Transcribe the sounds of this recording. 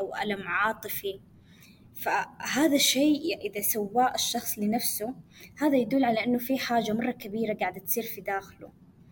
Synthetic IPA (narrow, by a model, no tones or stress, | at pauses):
awʔa̰lamʕɑːt̪ˤɨfi | faɦaːðaʃːeːʔɪðasawːaːʔaʃːɑxsˤlɪnafsʊhaːðajad̪ulːʕalaʔɪnːʊfiħaːd͡ʒamɑrˤːɑkabiːɾaɡaːʕd̪at̪sˤiːɾfid̪aːxlṵ